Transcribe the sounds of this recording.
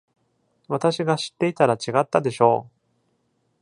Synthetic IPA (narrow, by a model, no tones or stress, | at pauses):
βat̪aɕiɡaɕi̥t̪ːe̞it̪aɾat͡ɕiɡat̪ːad̪e̞ɕo̞̰ː